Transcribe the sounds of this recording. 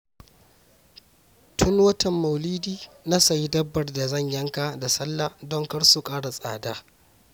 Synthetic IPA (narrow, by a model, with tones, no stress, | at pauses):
tʰʊ˦ŋwɐ˦tɐ˨mːɐ˨wliː˦diː˦na˦sɐ˨ji˦dɐ˦bːɐ˨rda˨zɐ˦˨ɲjɐ˦ŋka˨da˨sɐ˦lːaː˨dɔ˦ŋkɐ˦ɽsu˨kʼaː˦ɽa˨sʼa̰ː˨daː˦